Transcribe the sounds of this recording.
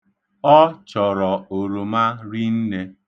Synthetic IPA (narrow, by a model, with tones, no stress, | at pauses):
ɔ˦t͡ʃɔ˨ɾɔ˨o˨ɾo˨ma˦ɾi˦n̩˦ne˦